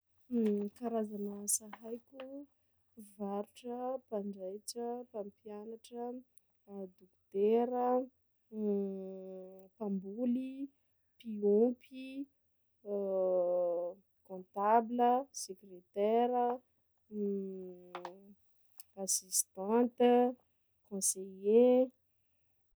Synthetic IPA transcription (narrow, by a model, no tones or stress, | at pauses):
kaɾazanasaɦajkʲu | vaɾuʈ͡ʂəpaɳɖ͡ʐajʈ͡ʂəpãmpjanaʈ͡ʂə | d̪ukt̪eɾə | pãmbuli | piupʰi | kõnt̪abləsekret̪ɛɾə | asist̪ãnt̪ | kõseje